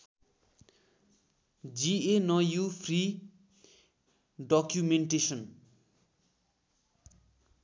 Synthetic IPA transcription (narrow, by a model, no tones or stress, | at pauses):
d͡zienʌjupʰri | ɖɔkjumeɳʈesʌn